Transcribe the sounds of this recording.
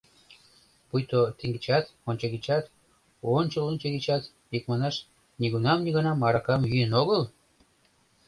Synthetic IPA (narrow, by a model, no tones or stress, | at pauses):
pujt̪ot̪iŋɡit͡ɕɑt̪onʲt͡ɕɑɣit͡ɕɑt̪ | onʲt͡ɕəlonʲt͡ɕeɡit͡ɕɑt̪ | ik̚mɑnɑʃ | niɣunɑmniɣɑnɑmɑɾɑkɑmjyjənoɣəl